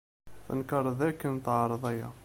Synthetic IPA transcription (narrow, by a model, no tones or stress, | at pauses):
θə̰nkəɾˤðækːənt̪ʕɾˤəðˤæjæ̰